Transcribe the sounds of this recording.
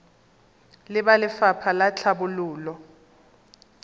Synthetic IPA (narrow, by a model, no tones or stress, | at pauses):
lɪɓalɪfapʰalat͡ɬʰabuluːlɔ